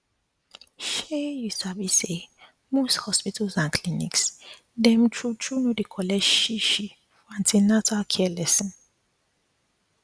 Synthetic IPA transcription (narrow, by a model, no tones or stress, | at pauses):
ʃejusabise | mosthɔspitʰalzãnkʰlinḭks | dɛm̩t͡ʃʰut͡ʃʰunodikʰɔlɛd͡ʒʃiʃi | fãntʰinatʰalkʰɛɛlɛsɔ̃n